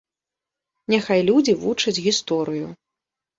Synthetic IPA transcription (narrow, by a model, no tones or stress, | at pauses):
nʲɛxajlʲud͡zʲivut͡ʂɐd͡zʲɣʲist̪ɔɾɨjṵ